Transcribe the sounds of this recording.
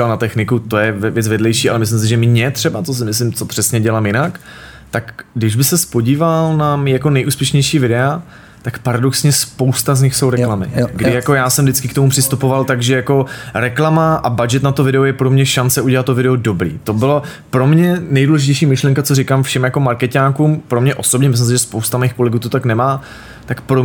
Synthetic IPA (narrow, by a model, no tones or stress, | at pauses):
alnat̪ɛxnɪkut̪o̞jɛvvjɛt͡svɛdlɛjʃiːʔalɛmɪslɪms̬ɪʒɛmɲɛt̪r̝̥ɛbat͡sos̬ɪmɪs̬lɪmt͡so̞pr̥ɛsɲɛɟɛlaːmjɪnak | t̪akdɪʒbɪsɛspo̞ɟiːvalnamijako̞nɛjʔuːspjɛʃɲɛjʃiːvɪdɛa | t̪akpaɾadoksɲɛspo̞wst̪azɲɪxso̞wɾɛklamɪ̰ɡdɪjako̞jaːsɛmdɪt͡skɪkt̪omupr̥ɪst̪upo̞valt̪aɡʒɛjako̞ɾɛklamaʔabad͡ʒɛt̪nat̪ovɪdɛojɛpɾo̞mɲɛʃant͡sɛuɟɛlat̪t̪ːovɪdɛodo̞bɾḭːt̪o̞bɪlo | pɾo̞mɲɛnɛjduːlɛʒɪcɛjʃiːmɪʃlɛŋkat͡so̞ɾɪkamfʃɛmjako̞maɾkɛcaːkuːmpɾo̞mɲɛʔo̞sobɲɛmɪs̬lɪmsɪʒɛspowst̪amaiːxko̞lɛɡuːt̪ot̪aknɛmaː | t̪akpɾo